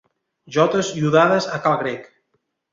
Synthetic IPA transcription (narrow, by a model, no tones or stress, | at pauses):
ʒɔt̪əzʎuðaðəzakalɣɾek